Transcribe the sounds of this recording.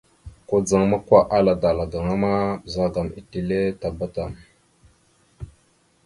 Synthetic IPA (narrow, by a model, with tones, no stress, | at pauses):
ko˨d͡za˨ŋma˦kʷa˨ʔa˦la˨da˨la˨ɡa˨ŋa˦ma˦˨za˦ɡa˨mi˨ti˨le˦ta˨ba˦ta˨m